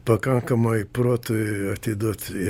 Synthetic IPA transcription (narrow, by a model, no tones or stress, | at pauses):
pɐkɐŋkɐmɐɪproːt̪ʊɐt̪ʲɪd̪uɔt̪ɪ